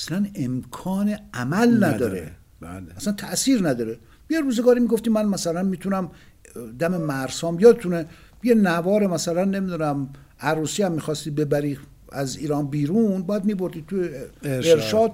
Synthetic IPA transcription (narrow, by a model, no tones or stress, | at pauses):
æslænemkʰɒːneæmælnæd̪ɒːɾe | æslænt̪ʰæʔsiːɾnæd̪ɒːɾe | jeɾuːzeɡɒːɾiːmiɡo̞ft̪iːmænmæsælænmiːt̪ʰunæm | d̪æmemæɾsɒːmjɒːd̪et̪ʰune | jenævɒːɾemæsælænːe̞mid̪unæm | æɾuːsiːæmːiːxɒːst̪iːbe̞bæɾiː | æziːɾɒːnbiːɾuːnbɒjæd̪̚mibo̞ɾd̪id̪̚t̪ʰujeeɾʃʃɒːd̪̚